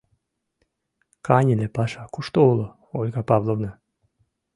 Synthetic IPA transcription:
kanʲilʲepaʃakuʃt̪oolˠo | olʲɡapavlˠovna

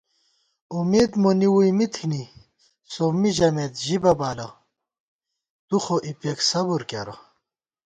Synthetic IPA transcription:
umeːd̪moniwujmit̪ʰini | somiʑɐmet̪ʑibɐbaːlɐ | t̪uxoʔipeksɐbuɾkaɾɐ̰

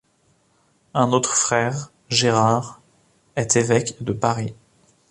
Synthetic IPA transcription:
ɛ̃not̪χfχɛʁ | ʒeʁaʁ | ɛt̪ʰevɛkd̪əpaʁi

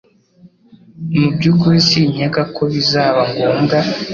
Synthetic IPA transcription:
mubɟukuɾisiɲeɡakʰoβizaːβaŋɡuːŋɡa

